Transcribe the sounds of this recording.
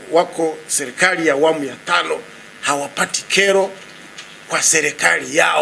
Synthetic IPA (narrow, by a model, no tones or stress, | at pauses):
wakɔsɛɾɛkalijaːwamujatanɔ | hawapati̥kʰɛɾɔ | kwasɛɾɛkalijaɔ